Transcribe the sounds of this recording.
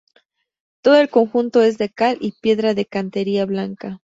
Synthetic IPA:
t̪o̞ðo̞e̞lko̞ŋxunt̪o̞e̞zðekalipje̞ðɾaðe̞kant̪e̞ɾiaβlaŋka

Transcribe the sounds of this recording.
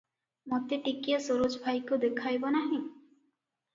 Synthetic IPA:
mot̪iʈikijɔsoɾud͡ʒbʱajkud̪ekʰajbɔnaɦĩ

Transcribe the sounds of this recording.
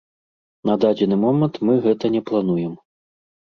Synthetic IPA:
nɐd̪ad͡zʲɛnɨmɔmɛnt̪mɨɣɛt̪ɐnʲɛplˠan̪ujɛm

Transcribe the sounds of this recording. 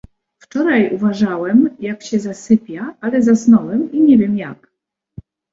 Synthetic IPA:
ft͡ʂɔɾajuvaʐawɛmjakɕɛzasɘpʲjaalɛzasnɔwɛmiɲɛvʲjɛmjak

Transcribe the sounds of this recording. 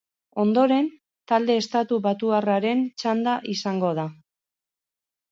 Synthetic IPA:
o̞nd̪o̞ɾe̞n | t̪ald̪e̞ːst̪at̪uβat̪uaraɾe̞nt͡ʃand̪aʔisaŋɡo̞ð̞a

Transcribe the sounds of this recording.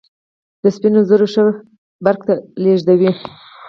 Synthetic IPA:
d̪̥əspinozəɾoʂəwex | baɾkt̪aleʐd̪awi

